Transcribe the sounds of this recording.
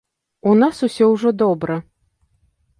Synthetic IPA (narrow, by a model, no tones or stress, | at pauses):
unasusʲɔwʐɔd̪ɔbɾɐ